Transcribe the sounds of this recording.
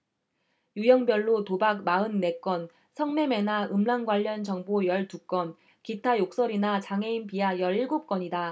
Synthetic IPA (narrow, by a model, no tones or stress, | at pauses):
jujʌŋbjʌɭːotobak̚maɯnːe̞k͈wʌn | sʰʌŋme̞me̞naɯmlaŋɡwaʎːʌnt͡ɕʌŋbojʌɭtuk͈ʌn | kitʰajok̚s͈ʌɾinat͡ɕaŋe̞inpiajʌɾiɭɡop̚k͈ʌɲida